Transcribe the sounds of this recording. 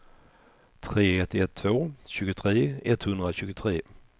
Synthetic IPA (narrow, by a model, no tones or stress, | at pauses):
t̪ʰɾeːɛt̪ːɪɛt̪ʰːvoːɕʉ̟ːɡʊt̪ʰɾeːɛt̪hɵnd̪ɾaɕʉ̟ːɡʊt̪ʰɾeː